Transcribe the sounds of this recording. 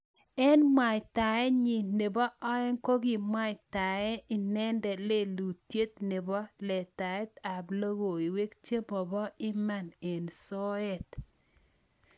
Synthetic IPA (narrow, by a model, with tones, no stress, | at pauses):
ɛ˦nmwa˨jta˨ɛ˦ɲi˨ne˨bɔ˦ʔɔ˦ɛ˦ŋko˦ɡi˨mwa˦˨ta˨ɛ˦ɪ˨nɛ˦ndɛ˨le˦lu˨tje˦t̪̚nɪ˨bɔ˦lɛ˨ta˨ɛ˦ta˨blo˦wo˨i˨we˦kt͡ʃe˦bɔ˨bɔ˦ɪ˦ma˦˨ne˨nsɔ˦ɛ˨t